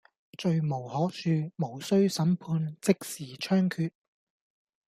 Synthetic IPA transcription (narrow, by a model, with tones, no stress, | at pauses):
t͡ʃɵ˧ɥmo˨˩whɔː˨˥k̚syː˧mo˨˩wsɵ˥ɥsɐ˨˥mpʰuː˧nt͡sɪ˥k̚siː˨˩t͡ʃʰœː˥ŋkʰyː˧t̚